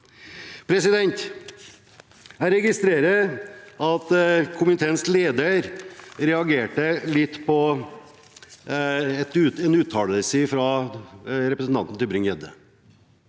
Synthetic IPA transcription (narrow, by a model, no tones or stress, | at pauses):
pʰɾɛsɪd̪ɛnt̪ | æɪɾɛɡɪst̪ɾeːɾəʔɑt̪kʰʊməɪt̪ʰeːnskleːd̪əɾɾɛɑɡeːʈəlɪt̪ːpʰɔ | t̪ʉɛnʉːt̪ʰːɑːləlsəfɾɑ | ɾɛpɾəsn̩t̪ɑ̰nt̪n̩t̪ʰɪlbɾʏŋjɛd̪ə̰